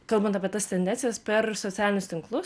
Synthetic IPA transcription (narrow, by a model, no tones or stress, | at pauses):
kɐlˠbɐnt̪ɑːpʲiɛt̪ɐst̪ʲɛnʲd̪ʲɛnʲsʲɪjɛspʲɛɾsot̪ʲæːlʲɪnʲʊst̪ʲɪŋklˠʊs